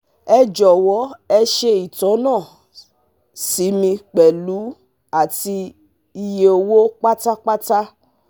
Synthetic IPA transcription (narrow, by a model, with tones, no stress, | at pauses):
ɛ˧d͡ʒɔ˨wɔ˨˦ɛ˧ʃe˧i˨tɔ̃˨˦nãː˦˨ | si˨˦mĩ˧k͡pɛ˨lu˨˦ | a˦˨ti˧ | i˧je˧o˧wo˦k͡pa˦ta˦k͡pa˦ta˦